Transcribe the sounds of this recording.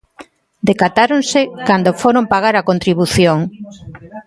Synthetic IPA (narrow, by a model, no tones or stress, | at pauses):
d̪ekat̪aɾonsɪkand̪ofoɾompaɣ̞aɾakont̪ɾiβuθjoŋ